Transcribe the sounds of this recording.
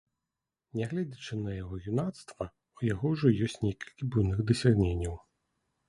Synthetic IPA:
nʲɛɣlʲɛd͡zʲɐt͡ʂɨnɐjaɣɔɣʲunat̪st̪vɐ | ujaɣɔwʐɔjɔsʲtʲnʲekʲi̥lʲkʲibujnɨɣd̪ɐsʲaɣnʲenʲːɐw

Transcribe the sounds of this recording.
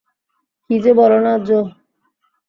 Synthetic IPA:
kid͡ʑebɔɾonad͡ʑo

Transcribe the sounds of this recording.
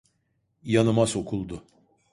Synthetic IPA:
janɯmaso̞kʰulˠd̪ʊ

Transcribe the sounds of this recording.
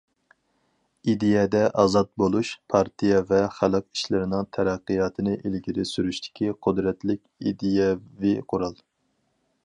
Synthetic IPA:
id̪ejɛd̪ɛʔɑːzɑt̪̚bolˠuʃpʰɑɾt̪ʰijɛvɛχælˠɨqi̥ʃlɪɾɪnɪŋt̪ʰɛɾæqːɨjɑt̪ʰɨnɨʔilɡʲiɾɪsyɾyʃt̪ʰɪ̥kʲʰiqʰʊd̪ɾɛt̪lɪkʲḭd̪ejɛviqʰoɾɑlˠ

